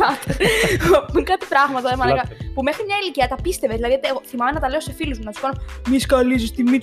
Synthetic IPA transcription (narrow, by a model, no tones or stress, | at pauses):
ɐ | ukɐt̪ipɾɐɣmɐt̪ɐemɐnɐkɐpume̞xɾimɲɐiliciɐt̪ɐpist̪e̞vezðilɐðiot̪eɣoθimɐmenɐt̪ɐle̞o̞se̞filuzmunɐt̪skɐnomiskɐlizust̪imi